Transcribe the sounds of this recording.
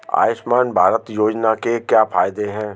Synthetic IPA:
a̰ːɪʃmaːnbʱaːɾət̪joːd͡ʒnakekjaːfʰaːjd̪eɦɛ̃ː

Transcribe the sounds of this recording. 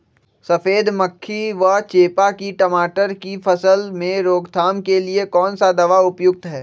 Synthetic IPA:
sɐfeːd̪məkʰːiʋɐt͡ʃeːpakiʈɐmaːʈəɾkifʰɐsəlmẽɾoːɡt̪ʰaːmkeliekɔːnsad̪ɐʋaʊpjʊk̚t̪ɦɛː

